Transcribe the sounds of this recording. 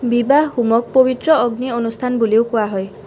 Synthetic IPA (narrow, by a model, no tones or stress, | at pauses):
bibaɦhumɔk̚pobit̪ɾɔɔɡnionust̪ʰanbuliwkuaɦɔj